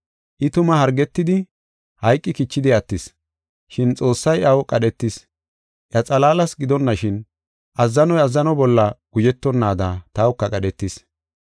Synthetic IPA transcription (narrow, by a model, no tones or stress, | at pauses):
ʔɪt̪ʊmɐhɐɾɡɛt̪ːɪd̪ɪ | hɐjkʼːɪkɪt͡ʃːɪd̪ɪɐt̪ːɪs | ʃɪnt͡sʼo̞ːsːɐjɐwkʼɐɗɛt̪ːɪs | ʔjɐt͡sʼɐlaːlɐsɡɪd̪ɔnːɐʃɪn | ʔɐzːɐnɔjɐzːɐnɔbɔlːɐɡ̥ʊd͡ʒɛt̪ːɔnːaːd̪at̪aːwʊkːɐkʼɐɗɛt̪ːɪs